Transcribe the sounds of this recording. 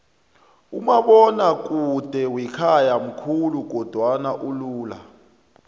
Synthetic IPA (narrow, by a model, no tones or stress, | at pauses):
ṵmaɓɔnak̬ʼud̥ʱɛwikʰajam̩kʰuluk̬ɔd̥ʱwanaʔuluːla